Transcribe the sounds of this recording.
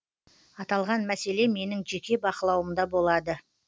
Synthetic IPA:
ɑt̪ɑlˠʁɑnmæse̞le̞me̞nɪŋʒe̞kʲe̞bɑqəlˠɑwəmd̪ɑbo̞lˠɑd̪ə

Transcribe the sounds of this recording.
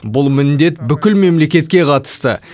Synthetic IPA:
bʊlˠmɪnd̪e̞t̪bʏkʲɪlme̞mle̞kʲe̞t̪̚kʲe̞qʰɑt̪ə̥st̪ə̰

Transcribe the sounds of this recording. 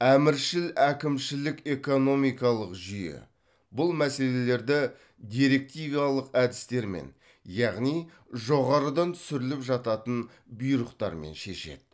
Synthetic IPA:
æmɪɾʃɪlækʲɪmʃɪlɪke̞ko̞no̞mijkɑlˠəqʒʏjḛ | bʊlˠmæse̞le̞le̞ɾd̪ɪ | d̪ijɾe̞k̚t̪ijviɑlˠəqæd̪ɪst̪e̞ɾme̞̰n | jɑʁnij | ʒo̞ʁɑɾəd̪ɑnt̪ʰʏ̥sɪɾɪlɪpʒɑt̪ɑt̪ən | bʊjɾəqt̪ɑ̰ɾmḛnʃe̞̰ʃe̞̰d̪ɪ̥

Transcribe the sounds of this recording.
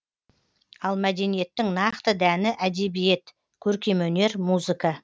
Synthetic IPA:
ɑlˠmæd̪e̞nije̞t̪ːɪŋnɑqt̪əd̪ænɪʔæd̪e̞bije̞t̪ | kʲʰɵɾkʲe̞mɵne̞ɾmuzɨkɑ

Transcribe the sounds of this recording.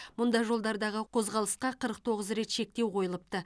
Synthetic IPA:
mʊnd̪ɑʒo̞lˠd̪ɑɾd̪ɑʁəqʰo̞zʁɑlˠəsqɑqʰəɾəq̚t̪ʰo̞ʁəzɾe̞t̪ʃe̞k̚t̪ewqʰo̞jəlˠəp̚t̪ə

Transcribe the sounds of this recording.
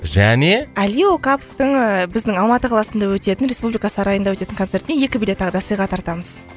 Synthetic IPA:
ʒæ̰ne̞æliokapoft̪əɴbɪzd̪ɪŋɑlˠmɑt̪əqʰɑlˠɑsənd̪ɑwɵt̪e̞t̪ɪnɾe̞spublʲijkɑsɑɾɑjənd̪ɑwɵt̪e̞t̪ɪŋko̞nt̪se̞ɾt̪neje̞kʲɪbijlʲe̞t̪ːɑʁəd̪ɑsəjʁɑt̪ʰɑɾt̪ɑməz̥

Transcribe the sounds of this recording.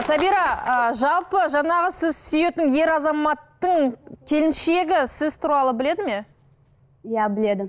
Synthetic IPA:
sɑbiɾɑəʒɑlˠpəʒɑɴɑʁəsɪzsʏje̞t̪ɪnje̞ɾɑzɑmɑt̪ːəɴkʲʰe̞lɪnʃe̞ɡʲɪsɪzt̪ʰʊɾɑlˠəbɪle̞d̪ɪme̞ | jæbɪled̪ɪ

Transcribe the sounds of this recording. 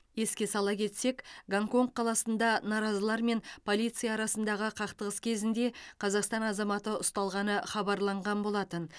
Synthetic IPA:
je̞skʲe̞sɑlˠɑkʲʰe̞t̪se̞kɡaŋko̞ŋkqʰːɑlˠɑsənd̪ɑnɑɾɑzəlˠɑɾme̞npʰo̞lˠijt̪sɨijɑːɾɑsənd̪ɑʁəqʰɑqt̪əʁəskʲʰe̞zɪnd̪e̞qʰɑzɑqst̪ɑnɑzɑmɑt̪əʊst̪ɑlˠʁɑnəχɑbɑɾlˠɑɴʁɑnbo̞lˠɑt̪ən

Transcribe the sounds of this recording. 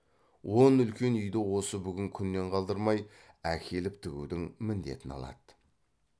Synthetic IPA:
wo̞nʏlkʲe̞nʏjd̪ɪwo̞səbʏɡʲɪŋkʲʰʏnːe̞ɴqʰɑlˠd̪əɾmɑj | ækʲʰe̞lɪp̚t̪ʰɪɡʲṵd̪ɪŋmɪnd̪e̞̰t̪ɪnɑ̰lˠɑ̰d̪̥ə

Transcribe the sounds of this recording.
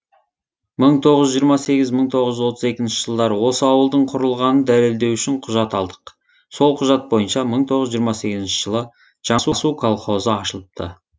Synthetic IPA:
məɴt̪ʰo̞ʁəzːʒijəɾmɑse̞ɡʲɪzməɴt̪ʰo̞ʁəʒʏzwo̞t̪ʰəze̞kʲɪnʃɪʒ̥əlˠd̪ɑɾəwo̞səɑwəlˠd̪əɴqʰʊɾəlˠʁɑnənd̪æle̞ld̪e̞wʏʃɪɴqʰʊʒɑt̪ɑlˠd̪ə̥q | so̞lˠqʰʊʒɑt̪̚bo̞jənʃɑməɴt̪ʰo̞ʁəʒijəɾmɑse̞ɡʲɪzɪnʃɪʒ̥əlˠə | ʒ̥ɑsusukʰolˠχo̞zəɑʃəlˠəp̚t̪ʰə̰

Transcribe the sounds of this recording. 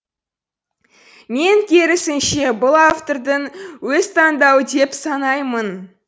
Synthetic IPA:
me̞ŋkʲʰe̞ɾɪsɪnʃe̞bʊlˠaft̪o̞rd̪əŋwɵzt̪ʰɑnd̪ɑwəd̪e̞psɑnɑjmən

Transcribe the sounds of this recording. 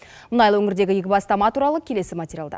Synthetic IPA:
mʊnɑjlˠəwɵŋʲɪɾd̪e̞ɡʲɪjekʲɪbɑst̪ɑmɑt̪uɾɑlˠəkʲʰe̞le̞sɪmat̪ʲeɾʲijalˠd̪ɑ̰

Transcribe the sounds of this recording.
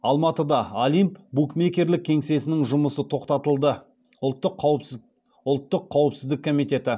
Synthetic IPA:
ɑlˠmɑt̪əd̪ɑolijmpbukme̞kʲe̞ɾlɪk̚ʲʰːe̞ŋse̞sɪnɪŋʒʊməsət̪ʰo̞qt̪ɑt̪əlˠd̪ə | ʊlˠt̪ːəqʰːɑw | ʊlˠt̪ːəqʰːɑwəpsɪzd̪ɪkːʰomijt̪e̞t̪ɪ

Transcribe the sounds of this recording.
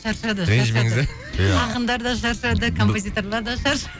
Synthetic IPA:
ʃɑɾʃɑd̪əeʒmeŋɪz | ɑqənd̪ɑɾd̪ɑʃɑɾʃɑd̪əkʰo̞mpozʲijt̪o̞ɾlˠɑɾd̪ɑʃɑɾʃɑ

